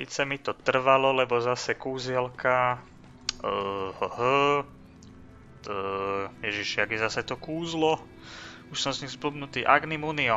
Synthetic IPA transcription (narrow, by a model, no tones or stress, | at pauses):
sḭt͡sɛmit̪ɔt̪r̩ʋalɔlɛbɔzasɛkuːzɛlkʰa | həhə | jɛʒiʃɪjaɡjɛzasɛt̪ɔkuːzlɔ | uʃsɔmzɲiɣzblubnut̪iːʔaɡnimuniɔ